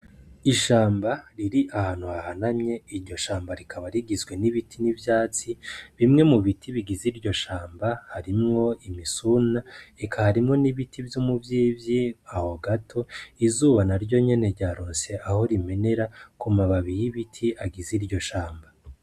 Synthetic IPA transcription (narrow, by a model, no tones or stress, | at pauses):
iʃaːmbaɾiɾiʔahaːn̥huhahanamɲe̞iɾɟo̞ʃaːmbaɾikʰaβaɾiɡizɡwe̞niβitʰinivjaːt͡siβimŋe̞muβitʰiβiɡiziɾɟo̞ʃaːmbahaɾimŋo̞imisunaekʰahaɾimŋo̞niβitʰivjumuvjiːvjiaho̞ɡatʰo̞izuːβanaɾɟo̞ɲe̞ne̞ɾɟaːɾoːnse̞ʔaho̞ɾime̞ne̞ɾakumaβaβijiβitʰiʔaɡiziɾɟo̞ʃaːmba